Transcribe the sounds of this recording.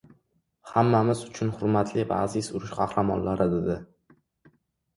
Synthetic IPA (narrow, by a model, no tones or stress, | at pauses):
hamːamɪzʊt͡ʃʰʊnhʊɾmat̪ʰlɪva̰ːzɪsʊɾɪʃqʰɑhɾamɒ̰nlaɾɪd̪ɪd̪ɪ